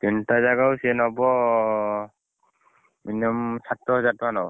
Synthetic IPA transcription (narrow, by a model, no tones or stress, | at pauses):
tintazaɡausɛnɔbɔ | minɔmsatɹɔɦɔzatmanɔw